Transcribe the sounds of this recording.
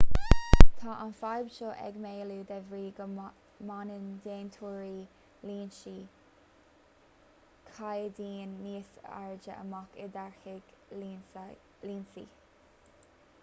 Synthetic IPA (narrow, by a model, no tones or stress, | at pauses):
t̪ʰaːʔanfajbʃoːʔɛ̰ɡmeːluːd̪ɛvɹiːɡə | manənd̪eːnt̪ʰuːɹiː | liːnʃi | kʰajəd̪iːnːiːsəa̰ɹd͡ʒəə̰makɪd̪aɹxɪɡ̥ | liːnsḭ